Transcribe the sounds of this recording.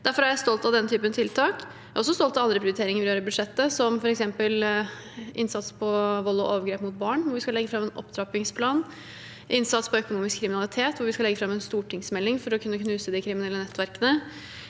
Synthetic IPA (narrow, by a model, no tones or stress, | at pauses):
d̪æɾfɔɾæɾjæɪst̪ɔlt̪ɑd̪ɛnːt̪ʰyːpənt̪ʰɪlt̪ʰɑːk | ɔsːɔst̪ɔlt̪ɑʋɑnd̪ɾəpʰɾɪʊɾɪt̪ʰeːɾɪŋəɾʋɪljøːɾəbʉd̪ʂɛt̪ːəsɔmfɔɾɛksɛmpəl | ʔɪnsɑt̪spʰɔʋɔlːɔ̰ʔoːʋəɾɡɾeːpmʊt̪̚bɑːɳʋʊɾʋɪskɑlɛɡːəfɾɑmːɛːnʔɔ̰pd̪ɾɑpɪŋspʰlɑːn | ʔɪnsɑt̪spɔœkʊnuːmɪskʰːɾɪmɪnɑlɪt̪ʰeːt̪ʋʊɾʋɪskɑlɛɡːəfɾɑmːɛnst̪uːʈɪŋsmɛlːɪŋfɔɾɔkʰʉnːəkʰnʉːsəd̪ɪkʰɾɪmɪnɛlːənɛt̪ːʋæɾkənə